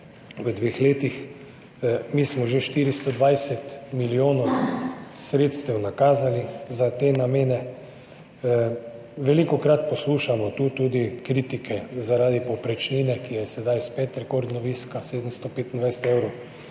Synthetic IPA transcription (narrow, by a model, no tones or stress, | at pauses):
ʋəd̪ʋeːxleːt̪ix | miːsmɔʒeʃt̪iːɾist̪ɔd̪ʋajsɛt̪milioːnɔw | sɾet̪st̪ɛwnakaːzalizat̪eːnameːnɛ | ʋɛlikɔkɾat̪̚pɔsluːʃamɔt̪uːt̪uːd̪ikɾit̪ikʰɛzaɾaːd̪ipɔpɾɛt͡ʃniːnɛkijɛsɛd̪ajspɛt̪ɾɛkoɾd̪nɔʋiːskaseːd̪əmst̪ɔpeːt̪nd̪ʋajsɛ̥t̪ewɾɔʊ